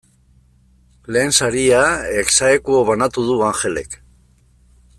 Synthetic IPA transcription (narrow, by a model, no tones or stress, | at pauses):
le̞ːnsaɾiaeksaekuoβanat̪uðuaŋxe̞le̞̰k